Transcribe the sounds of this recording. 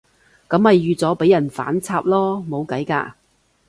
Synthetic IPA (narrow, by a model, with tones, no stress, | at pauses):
kɐ˨˥mhɐ˨jːyː˨t͡sɔː˨˥pe˨˥jːɐ˨˩nfa̰ː˨˥nt͡sʰaː˧p̚lɔː˥mo˨˧wkɐ˨˥jka̰ː˧